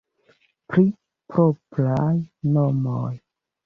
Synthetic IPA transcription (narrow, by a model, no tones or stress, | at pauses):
pɾi | pɾopɾajnomoj